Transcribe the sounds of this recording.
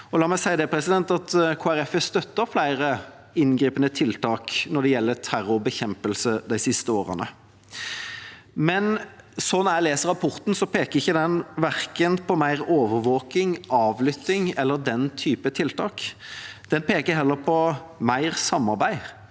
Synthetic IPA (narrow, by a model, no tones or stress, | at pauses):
ɔlɑːmɛsæɪd̪eːpʰɾɛsɪd̪ɛnt̪ɑt̪kʰoːæɾɛfəst̪œt̪ːəɾflæɪɾə | ɪnɡɾiːpənət̪ʰɪlt̪ʰɑːknɔɾd̪ɛjɛlːət̪ʰæɾʊbəçɛmpəlsəd̪æɪsɪst̪əoːʁə̰nə̰ | mɛnsɔnːɑæɪleːsəɾɑpʰɔɾt̪n̩sɔpʰeːkəɾɪçːəd̪ɛnʋæʁkənpʰɔmæɪʁoːʋəɾʋoːkɪŋɑːʋlʏt̪ːɪŋɛlːəʁd̪ɛnt̪ʰyːpət̪ʰɪlt̪ɑːkd̪̥ɛnpʰeːkəɦɛlːəɾpʰɔmæɪʁsɑmːɑɾbæɪ